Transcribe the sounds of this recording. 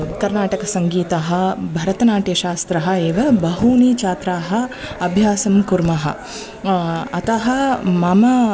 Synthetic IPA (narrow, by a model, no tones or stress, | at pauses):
kɐɾnaːʈɐkɐsɐŋɡiːt̪ɐɦɐbʱɐɾɐt̪ɐnaːʈjɐʃaːst̪ɾɐɦɐeːʋɐbɐɦuːniːt͡ʃaːt̪ɾaːɦɐ̆ɐbʱjaːsɐmkuɾmɐɦɐ̰ | ɐt̪ɐɦɐmɐmɐ